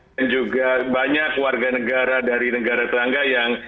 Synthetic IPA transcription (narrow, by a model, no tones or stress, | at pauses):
nd͡ʒuɡabaɲakːwarɡanəɡaɾadaɾinəɡaɾat̪əɾaŋɡajaŋ